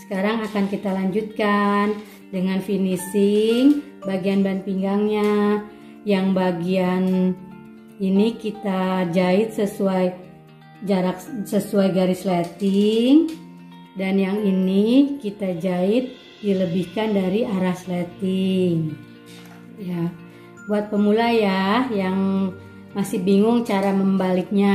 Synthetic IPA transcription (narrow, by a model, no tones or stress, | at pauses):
sə̥kaɾaŋakankit̪alaɲd͡ʒut̪̚kan | dəŋanfinisɪŋ | baɡianban̚piŋɡaŋɲa | jaŋbaɡian | inikit̪ad͡ʒaɪt̪̚səsuaj | d͡ʒaɾak̚səsuajɡaɾislɛt̪ɪŋ | danjaŋinikit̪ad͡ʒaɪt̪̚ | diləbihkandaɾiaɾahslat̪ɪŋ | ja | buat̪̚pəmulajahjaŋ | masɪhbiŋʊŋt͡ʃaɾaməmbalɪk̚ɲa